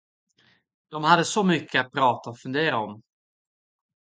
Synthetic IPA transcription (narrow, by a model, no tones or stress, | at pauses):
d̪̥ɔmhad̪ːəsɔmʏkʰːəat̪̚pʰɾɑːt̪aɔfɵnd̪eːɾaɔm